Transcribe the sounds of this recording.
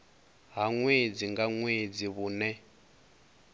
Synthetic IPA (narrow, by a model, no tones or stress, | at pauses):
ɦaŋwed͡ziŋɡaŋwed͡ziβuːnɛ